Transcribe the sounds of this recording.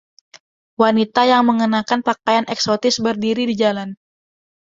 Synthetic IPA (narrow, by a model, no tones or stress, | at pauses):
wanit̪ajaŋməŋənakanpakajanʔɛksot̪ɪsbərdiɾidid͡ʒalan